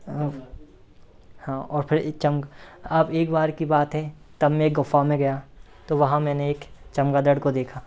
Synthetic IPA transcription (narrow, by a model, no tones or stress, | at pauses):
hãːɔːɾpʰɪɾt͡ʃɐmɡaːpeːkbaːɾkibaːt̪ɦɛ | t̪ɐbmeeːk̚ɡʊfamẽɡɐja | t̪oʋɐɦãmɛ̃ːneeːkt͡ʃɐmɡad̪əɽkod̪eːkʰaː